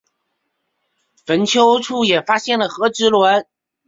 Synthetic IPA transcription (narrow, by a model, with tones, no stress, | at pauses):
fə˧˥nt͡ɕʰjo˥ʊʈ͡ʂʰu˥˩jɛ˨˩fa˥ɕjɛ˥˩nlə˩xɤ˧˥ʈ͡ʂɻ̩˧˥lwə˧˥n